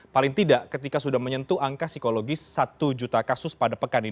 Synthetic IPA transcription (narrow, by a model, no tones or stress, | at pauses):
palɪŋt̪idaʔkət̪ikasudahməɲənt̪uʔaŋkasikoloɡɪsːat̪ud͡ʒut̪akasʊspadapəkani